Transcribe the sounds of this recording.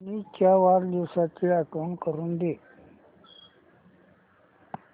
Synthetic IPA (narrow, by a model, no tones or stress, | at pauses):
nikjaʋaːɾd̪esakiakonkəɾund̪eː